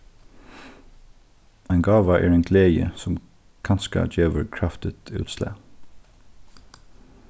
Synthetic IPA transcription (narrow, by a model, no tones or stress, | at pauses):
æɪnɡɑːʋəʔæːɹɛːnɡleːjə̰sɔm | kʰɑnskə̰d͡ʒeːʋəɹkʰɹɑft̪ɪt̪ʰʉ̰ːt̪slæ̰ː